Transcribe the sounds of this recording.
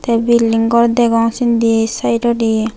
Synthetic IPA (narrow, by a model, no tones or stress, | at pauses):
t̪ɛbilːiŋɡɔɾd̪ɛɡɔŋsind̪isajʈɔɾi